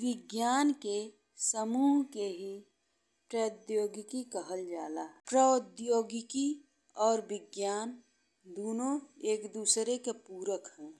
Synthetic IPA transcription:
ʋɪɡjaːnke | səmuːɦkeɦi | pɾəd̪joːɡɪkikəɦəld͡ʒaːlaːpɾəd̪joːɡɪki | ɔːɾbɪɡjaːn | d̪oːnõeːkd̪uːsɾekepuːɾəkɦɛ̃ː

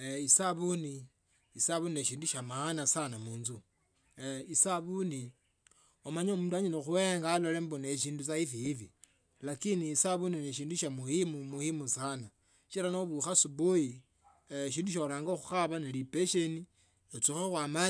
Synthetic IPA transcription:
eisaβuni | isaβunineʃiːnduʃamaːnasanamuːnzu | isaβuni | omaɲomutdwaɲiloxueŋɡaːlolemboneʃ̬iːndut͡saifiifi | lakiniːsaβunineʃ̬iːnduʃamuimumuhimusana | ʃiɾanoβuxasuboji | ʃ̬iːnduʃ̬olaːŋɡoxuxaβanelipeʃeni | ot͡sixexwama

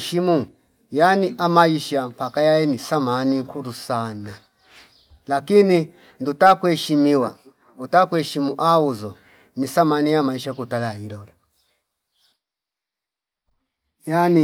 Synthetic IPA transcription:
ʃimu | janiʔamaiʃampakajajɛnisamaniŋkʰuɾusana | lakini | ndutakwɛʃimiwa | utakwɛʃimuʔauzɔ | nisamanijamaiʃakutalailɔla | jani

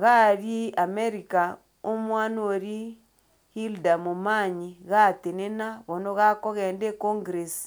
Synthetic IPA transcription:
ɣaɾiameɾika | omwaːnoɾi | hildamumaɲiɣatenenaβonoɣakoɣeːndekoŋɡɾesi̥

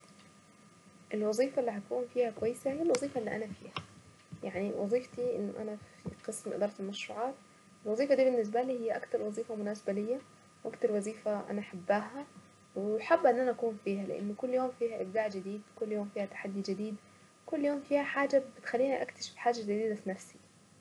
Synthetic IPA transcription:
ʔɪlwɑðˤiːfaʔlːiɦat̪̚kuːnfiːhakwajːsahɪjːalwɑzˤiːfaʔɪlːiːʔanafiːha | jaʕniwʔɑ̰zˤiːft̪iʔɪ̰nːʊ̰ʔa̰nafiqɨsmʔɪ̰d̪ɑːɾˤɑt̪ɪlmaʃɾˤṵːʕɑːt̪̚ | ɪlwɑzˤiːfad̪iːbɪnːɪs̬baliːhɪjːaʔakt̪ɑɾˤwɑzˤiːfamʊnaːsbalɪjːa | wʔakt̪ɑɾˤwɑzˤiːfaʔa̰naʔaħabːaːɦa | wɪħabːʔɪnːʔanaʔakuːnfiːhalɪ̰ʔɪ̰nːʊkʊlːjoːmfiːhaʔɪ̰bd̪aːʕd͡ʒɪd̪iːd̪kʊlːjoːmfiːhat̪ḁħad̪ːid͡ʒɪd̪iːd̪ | kʊlːjoːmfiːhaħaːd͡ʒabɪt̪xalːiːnaʔakt̪aʃɪ̥fħaːd͡ʒad͡ʒɪd̪iːd̪afinafsi̥

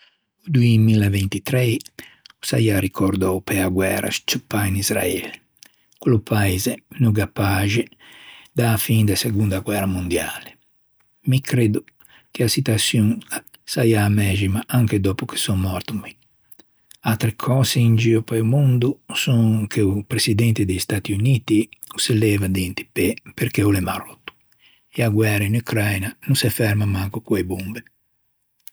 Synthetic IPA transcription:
ud̪uimilavent̪it̪ɾɛjusa̰jarikʰoɾd̪ɔpeaɡwɛ̰ɾa̰st͡ʃupːainizɾa̰ɛ̰le | kulopʰaizenoɡapaʒe | d̪afind̪aseɡund̪aɡwɛɾamund̪ja̰ːle | mikʰɾed̪u | keasit̪watsjuŋ | sajaːmɛd͡ʒimaʔaŋked̪ɔːpuke̥sɔŋːɔɾt̪umi | at̪ɾekʰɔːzeind͡ʒiːopajumund̪usɔŋkʰeupɾesid̪ɛnt̪ed̪est̪at̪iuniːt̪iuselɛːvad̪ɛnt̪i̥pɛpeɾkɛulɛmarot̪ːu̥ | eaɡwɛrɾainukɾajnanunsɛfɛɾmamaŋkukwebumbe

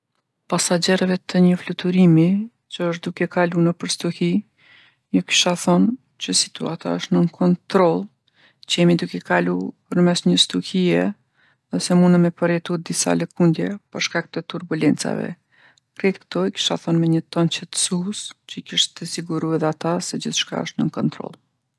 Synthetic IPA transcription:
pasad͡ʑɛɾəvɛt̪ʰəɲəflut̪uɾimi | t͡ɕəəʃ̬t̪̚d̪ukɛkalunəpəɾst̪uhi | juki̥ʃaθɔn | t͡ɕəsi̥t̪uat̪a̰əʃt̪nənkʰɔnt̪ɾɔlˠ | t͡ʃəjɛmid̪ukɛkalupəɾmɛsɲəst̪uhiɛ | ðɛsɛmunəmɛpəɾɛt̪ut̚d̪isa̰ləkund̪jɛpəɾʃkak̚t̪ət̪uɾbulɛnt͡sa̰vɛ̰ | kɾɛt̪kt̪ɔɛki̥ʃa̰θɔnmɛɲət̪ɔnt͡ɕɛt̪sust͡ɕəikiʃt̪t̪əsiɡuɾuɛðɛat̪asɛd͡ʑiθʃka̰ə̰ʃt̪nəŋkɔnt̪ɾɔ̰lˠ

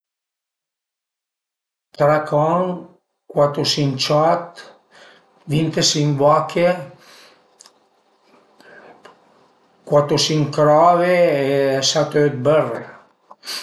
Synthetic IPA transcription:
t̪ɾakʰɔŋ | kwat̪osint͡ʃɔt̪ | vint̪esimbɔkʰe | kwat̪osiŋkɾɔveeɛsat̪oet̪̚bɛrḛ

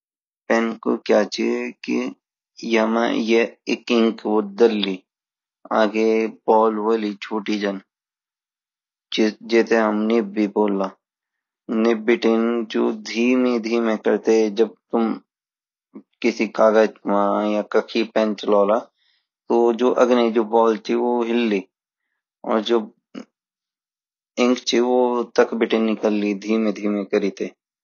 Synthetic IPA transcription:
pɛ̃ːnko̰kjaːt͡ʃikḭ | jema̰jeɪkɪ̃ŋkʋod̪ɐlːiː | a̰ːɡebɔːlʋəlit͡ʃʰuːʈid͡ʒɐn | t͡ʃɪd͡ʒeːt̪eɦɐmnɪbbiboːlːaː | nɪbɪʈɪnd͡ʒo̰ːd̪ʱiːmed̪ʱiːmẽkəɾt̪ed͡ʒɐb̚t̪ʊm | kɪsikaːɡəd͡ʒmãjakɐkʰipɛ̃ːnt͡ʃəlɔːla | t̪od͡ʒoːʔɐɡned͡ʒoːbɔːlt͡ʃiʋoɦɪlːiː | ɔ̰ːɾd͡ʒoː | ɪ̃ŋkt͡ʃʰiʋot̪əkbɪʈɪnːɪkəlːid̪ʱiːmẽd̪ʱiːmẽkəɾiːt̪eː

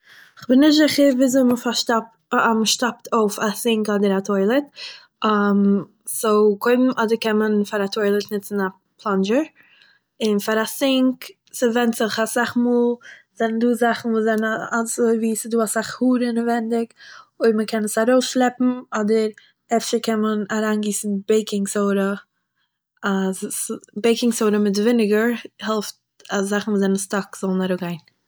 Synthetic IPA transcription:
ɪχbɪnːɪzɪχəɾviːzoɪməfaʃta | mʃtap̚tʰoʊfasɪŋkɔdəɾatʰɔɪlˠət | am | soʊkʰoɪbm̩ʔɔdəɾkɛnmənfaɾatʰɔɪlˠətnɪt͡sn̩a | pʰlˠɔnd͡ʒəɾ | ɪnfaɾasɪŋk | sɪvɛntz̥ɪχasaχmuːlˠ | z̥ɛnn̩duːzaχn̩vuːzɛnnasviːsɪduːasaχhuːɾənəvɛndɪkoɪɾməkʰɛnəsaɾoʊsʃlˠɛpm̩ɔdəɾ | ɛfʃəɾkʰɛnmənaɾaːnɡiːsn̩beɪkɪŋsoʊɾə | assbeɪkɪŋsoʊɾəmɪtvɪnɪɡəɾhɛlˠft | azaχn̩vuːzɛnn̩stɔkz̥ɔlˠn̩aɾoɡaɪn

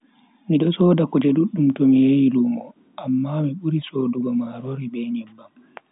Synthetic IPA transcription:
miɗɔsɔdakɔd͡ʒeduɗːumtɔmijejiluːmɔ | ʔamːamiɓuɾisoduɡɔmaɾoɾibɛnimbam

